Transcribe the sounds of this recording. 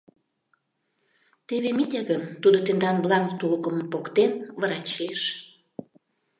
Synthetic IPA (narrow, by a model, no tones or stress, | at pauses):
t̪eβemit̪ʲeɣənt̪ud̪ot̪end̪ɑnblɑŋt̪ulkəməpokt̪enβəɾɑt͡ɕleʃ